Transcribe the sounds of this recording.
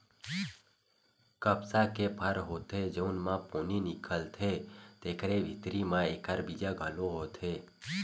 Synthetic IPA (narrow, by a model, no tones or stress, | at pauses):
kəpsakepʰəɾɦot̪ʰed͡ʒəunmãponinikʰəlt̪ʰet̪ekəɾeʋʱit̪ɾimãekaɾbid͡ʒaɡʱəloɦot̪ʰe